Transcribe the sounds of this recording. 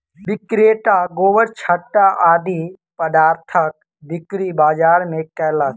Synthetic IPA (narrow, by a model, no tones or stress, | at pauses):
bɪkɾeːʈaɡoːʋəɾt͡ʃʰəʈːaʔaːd̪i | pəd̪aːɾt̪ʰək̚ | d̪ɪkɾibaːd͡ʒaːɾmẽkɛːla